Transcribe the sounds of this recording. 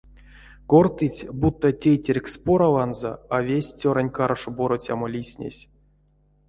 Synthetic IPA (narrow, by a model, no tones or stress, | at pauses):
kort̪ɨt͡sʲbut̪ːətʲejtʲerʲkspoɾavanzo̰avʲesʲt͡sʲoɾanʲkaɾʂboɾot͡sʲa̰molʲisʲnʲḛsʲ